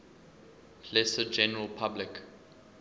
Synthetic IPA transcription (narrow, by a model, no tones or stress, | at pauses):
lɛsəd͡ʒɛnəɹəlˠpʰablɪk